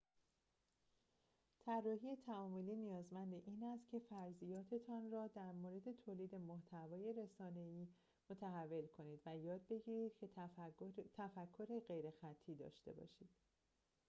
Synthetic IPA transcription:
t̪ʰærːɒːɦije̞t̪ʰæɒːmoliːnijɒːzmænd̪eʔiːnæst̪̚cʰe̞fæɾzijɒːt̪ʰe̞t̪ʰɒːnrɒːd̪æɾmoːɾe̞d̪e̞t̪ʰoːliːd̪e̞moht̪ʰævɒːje̞ɾe̞sɒːne̞iː | mo̞t̪ʰæɦævːe̞lkʰo̞niːd̪væjɒːd̪̚be̞ɟiːɾiːd̪̥cʰe | t̪ʰæfækʰːo̞ɾe̞ɣe̞jɾe̞xæt̪ʰːiːd̪ɒ̰ːʃt̪e̞̰bɒ̰ʃiːd̪̥

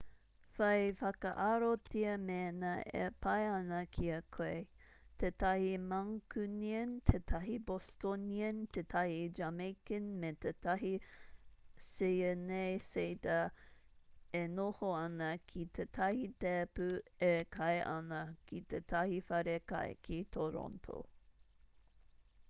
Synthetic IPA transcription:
fɐjfɐkɐʔaɾotiɐmenɐḛpʰɐjɐnɐkʰiɐkʰoe | tʰetɐhimɐŋkʉniɐntʰetʰɐɦibostoniɐntetʰɐhid͡ʒamekənmetetɐɦi | sejənejsetɐ | enohoɐnɐkʰitʰetʰɐhitepʉekʰɐjʔɐ̰nɐkʰitetʰɐhifɐɾekɐ̰j̰kʰitʰoɾo̰ntʰo̰

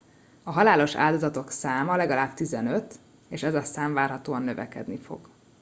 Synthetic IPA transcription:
ɒɦɒlaːlo̞ʃa̰ːld̪ozɒt̪o̞ksaːmɒlɛɡɒlaːbt̪izɛnø̞t̪ | eːʃɛzɒsaːɱvaːrɦɒt̪oːɒnːøvɛ̰kɛ̰d̪nifo̞̰ɡ̥

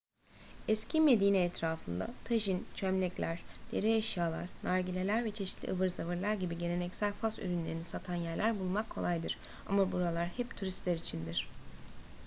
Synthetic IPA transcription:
ɛscʰime̞d̪iːnɛːt̪ɾaːfɯnd̪a̰t̪ʰaʒint͡ʃʰømlʲɛclʲæɾ̥d̪̥eɾiaʃjaːlˠa̰ɾ̥naɾɟilʲe̞lʲæɾvɛt͡ʃʰe̞ʃit̪lʲḭɯvɯɾzavɯɾlˠaɾɟibiɟe̞ne̞nɛcsælʲfasy̰ɾynlʲeɾinisat̪ʰanjæɾlʲæɾbulˠmakʰːo̞lˠajd̪ɯɾ̥ | a̰mabuɾalˠaɾhɛpt̪ʰuɾist̪lʲæɾit͡ʃʰind̪iɾ̝̥

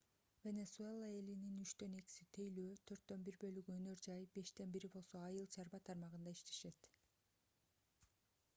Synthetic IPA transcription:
vʲe̞nesue̞lˠae̞lininyt͡ʃt̪ø̞ne̞ki̥sit̪ʰe̞jløːt̪ʰø̞ɾt̪ːø̞nbiɾbø̞lyɡyønø̞ɾd͡ʒɑjbe̞ʃt̪e̞nbiɾibo̞lˠso̞ɑjɯlˠt͡ʃʰɑɾbɑt̪ʰɑɾmɑʁɯnd̪ɑiʃt̪e̞ʃe̞t̪

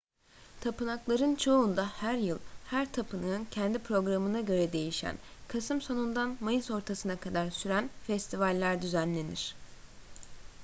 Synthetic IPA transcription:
t̪ʰapɯnaklˠaɾɯnt͡ʃʰo̞und̪ahæɾjɯlˠhæɾt̪ʰapʰɯnɯncʰɛnd̪ipɾo̞ɡɾamɯnaɟø̞ɾɛd̪e̞jiʃæ̰nkʰasɯmso̞nund̪anmajɯso̞ɾt̪ʰasɯnakʰad̪aɾsyɾænfɛst̪ʰivalʲːæɾd̪yzænlʲe̞niɾ̥

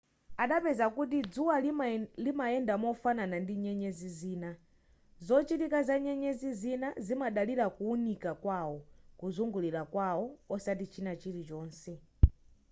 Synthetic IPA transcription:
aɗapɛzakut̬id͡zuwalimaɛndamɔfananandiɲɛɲɛziziːna | zɔt͡ʃitikazaɲɛɲɛzizinazimaɗaliɾakuːnikakwawɔkuzuŋɡuliɾakwawɔɔsat̬it͡ʃʰinat͡ʃiɾit͡ʃɔːnsɛ

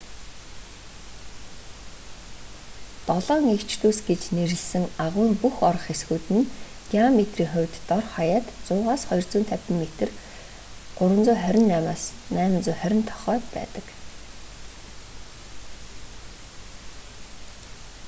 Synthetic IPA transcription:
t̪ɔɮɔːŋekt͡ɕʰt̪uːsɡet͡ɕneɾɘ̆ɮsɘ̆ŋaʁwʊːŋpuxɔɾɞ̆χesɡuːt̪ɘ̆n | ɡiamet̪riːŋχʊwʲt̪ːɔrχɔjaːt̪t͡sʊːʁaːsχɔj̆r̥t͡suːnt̪ʰæwʲp̪ʲɪ̆ŋmːet̪ɘ̆r | ɢ̥ʊɾwə̆nt͡sʊːχœɾʲɪ̆nːæːmaːsnæːm̆nt͡sʊːχœɾʲɪ̆nt̪ʰɔ̥χœːpæ̰ːt̪ə̆k

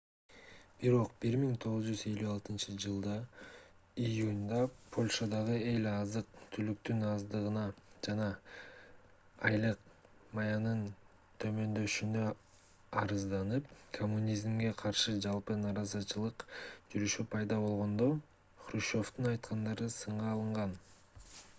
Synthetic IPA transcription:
b̥iɾo̞qb̥iɾmiŋt̪ʰo̞ʁuzd͡ʒyze̞lʲyɑlˠt̪ɯnt͡ʃɯd͡ʒɯlˠd̪ɑ | ijunʲd̪ɑpʰo̞lʲʃad̪ɑʁɯe̞lʲɑzɯq̚t̪ʰylyk̚t̪ynɑzd̪ɯʁɯnɑd͡ʒɑnɑ | ɑjlˠɯqmɑjɑnɯn | t̪ʰø̞mø̞nd̪ø̞ʃynø̞ | ɑɾɯzd̪ɑnɯp̚kʰomːunʲizmɡe̞qʰɑɾʃɯd͡ʒɑlˠpɯnɑɾɑzɑt͡ʃɯlˠɯqd͡ʒyɾyʃypʰɑjd̪ɑβo̞lˠʁo̞nd̪o | χɾuʃo̞ft̪unɑjt̪qɑnd̪ɑɾɯsɯɴʁɑːlˠɯɴʁɑn

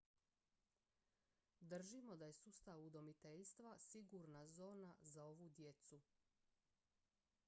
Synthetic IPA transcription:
d̪r̩ʒimo̞d̪aje̞sust̪aʋud̪o̞mit̪eʎst̪ʋasiɡuɾnazo̞ːnazao̞ʋud̪je̞t̪su

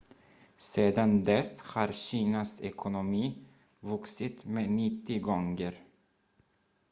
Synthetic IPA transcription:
seːd̪and̪ɛshaɾɕiːnasɛ̰kʰʊnʊmiː | vɵksɪt̪meːnɪt̪ːɪɡɔŋɡəɾ

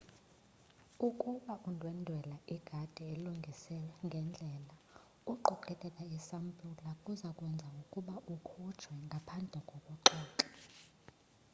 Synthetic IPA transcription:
ukʼuɓaʔundʱwɛndʱwɛlaʔiɡ̥ʱad̥ʱɛeluŋɡʱisɛlɛŋɡʱɛnd͡ɮʱɛːla | uǃɔǃʰɛkʼɛkʼaisampʼulakʼuzakʼwɛnd͡zʱaukʼuɓaʔukʰɔ̥t͡ʃʰwɛŋɡʱapʰand͡ɮʱɛkʼɔɓɔǃɔːǃɛ

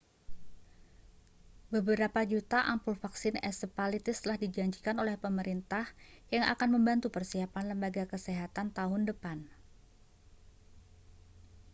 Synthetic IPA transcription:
bəbəɾapad͡ʒut̪aʔampʊlfaksɪnɛ̰səpalit̪ɪst̪əlahdid͡ʒaɲd͡ʒikanolɛhpəməɾint̪ahjaŋa̰kanməmbant̪upərsiapanləmbaɡakəseɦat̪ant̪aɦʊndəpan

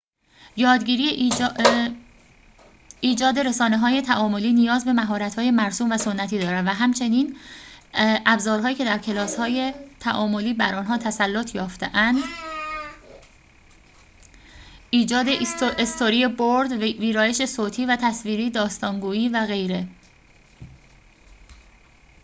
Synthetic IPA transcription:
jɒːd̪ɟiːɾie | iːd͡ʒɒːd̪e̞ɾe̞sɒːne̞ɦɒːje̞t̪ʰæʔɒːmo̞liːnijɒːzbe̞mæɦɒːɾæt̪hɒːje̞mæɾsuːmvæso̞nːæt̪ʰiːd̪ɒːɾæd̪væɦæmt͡ʃʰe̞niːn | ʔæbzɒːɾɦɒːjiːcʰe̞d̪æɾcʰe̞lɒːshɒːje̞t̪ʰæʔɒːmo̞liːbæɾɒːnɦɒːt̪ʰæsælːot̪ʰjɒːft̪e̞ʔænd̪ | iːd͡ʒɒːd̪eest̪ʰoɾiːje̞boɾd̪viːɾɒːje̞ʃe̞soːt̪ʰiːvæt̪ʰæsviːɾiːd̪ɒːst̪ɒːŋɡuːiːvæɣe̞jɾe̞

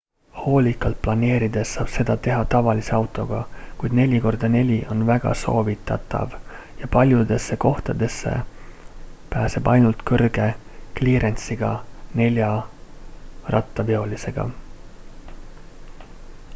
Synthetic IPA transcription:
ho̞ːlʲikˑːɑlt̪̚plɑne̞ːɾid̪̥e̞ssɑːb̥se̞d̪̥ɑt̪e̞ɦɑt̪ɑvɑlise̞ɑwt̪ˑo̞ɡ̥ɑkujd̪̥ne̞lʲiko̞rd̪ɑne̞lʲiʔo̞nvæɡ̥ɑ̰so̞ːvit̪ːˑɑt̪ːˑɑ̰vjɑpɑlʲjud̪̥e̞sːe̞ko̞ht̪ɑd̪̥e̞sːe̞̰ | pæːse̞bɑ̰jnult̪kɤrɡ̥e̞kliːɾʔent̪siɡ̥ɑne̞lʲjɑ | rʔɑ̰t̪ˑːɑveo̞lise̞ɡ̥ɑ̰

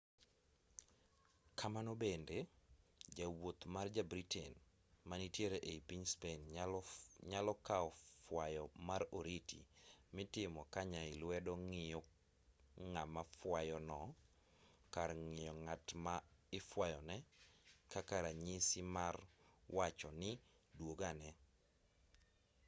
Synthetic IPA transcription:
kʰamanobende | d͡ʒawot̪mard͡ʒabɾitʰɛ̰n | manitjeɾeʔeipiɲspen | ɲalɔkaɔfwajɔmaɾoɾitʰḭmɪtɪmɔkaɲaɪlwɛdɔŋɪjɔ | ŋamafwajɔnɔ | kaɾŋɪjɔŋatmaɪfwajɔnɛ | kakaɾaɲisɪmarwat͡ʃɔnɪ | dwoɡanɛ

